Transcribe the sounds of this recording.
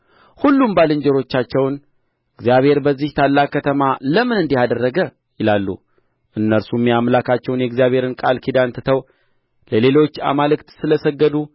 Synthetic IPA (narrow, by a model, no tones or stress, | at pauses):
hulːumbalɨɲd͡ʒɛɾo̞t͡ʃːat͡ʃːɛwn | ʔɨɡzijaβhe̞ɾbəzːiht̪ʰalːakːət̪ʰəmaləmɨnɨnd̪ihad̪ərːəɡə | jɪlalːṵ | ʔɨnːəɾsumːiamlakʰat͡ʃːɛwnjɛɡzijaβhe̞ɾɨnkʼalkʰid̪ant̪ʰɨt̪ʰəw | ləle̞lo̞t͡ʃːa̰malɨkt̪sɨləsəɡːəd̪u